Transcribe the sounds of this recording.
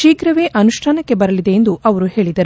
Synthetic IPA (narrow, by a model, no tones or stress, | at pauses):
iːkɾɐʋe̞ːʔɐnuʂʈʰaːnɐkːe̞bɐɾɐlid̪e̞ːnd̪uʔɐʋɐɾuɦe̞ːɭid̪ɐɾ